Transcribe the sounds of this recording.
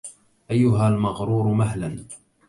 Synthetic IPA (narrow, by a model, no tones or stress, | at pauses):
ʔajːʊɦaːlmɑɣɾuːɾmaɦlan